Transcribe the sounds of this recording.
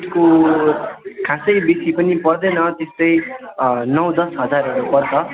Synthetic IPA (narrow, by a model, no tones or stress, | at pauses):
ʈko | kʰasʌjbesipʌnipʌrd̪ʌjnʌt̪est̪ʌj | nʌw̃d̪ʌsɦʌd͡zaɾʌɾupʌrt͡sʰʌ